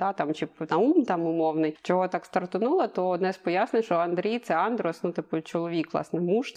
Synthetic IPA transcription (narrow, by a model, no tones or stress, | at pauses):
d̪̥ɑt̪ɑmt͡ʃɪpnɐumt̪ɑmʊmɔwnɪjt͡ʃɔɦɔt̪ɑkst̪ɐrt̪ʊnʊlˠɐt̪ɔd̪nɛspɔjasnɪʃɔɐnd̪ɾʲijt̪sɛɑnd̪ɾʊɔsnut̪ɪpʊt͡ʃɔlˠɔʋʲikʋlˠɑ̰snɛmuʃt̪